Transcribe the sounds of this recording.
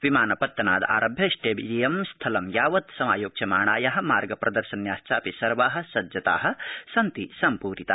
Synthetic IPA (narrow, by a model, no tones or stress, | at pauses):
ʋimaːnɐpɐt̪ːɐnaːd̪a̰ːɾɐbʱjɐʃʈeːbilijɐmst̪ʰɐlɐmjaːʋɐt̪sɐmaːjoːk̚t͡ʃʰɐmaːɳ̃aːjaːɦɐ̆maːɾɡɐpɾʔɐd̪ɐɾʃɐnjaːst͡ʃaːpisɐɾʋaːɦɐ̆sɐd̪jɐt̪a̰ːɦɐ̆sɐnt̪isɐmpuːɾit̪aː